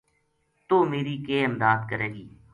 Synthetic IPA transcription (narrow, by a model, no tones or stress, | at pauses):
t̪oːmeːɾiːkeːɪmd̪aːd̪kəɾeːɡiː